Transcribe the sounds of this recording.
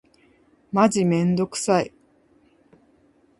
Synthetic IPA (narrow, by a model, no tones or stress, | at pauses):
mad͡ʑimẽ̞nd̪o̞kɯ̟̥sai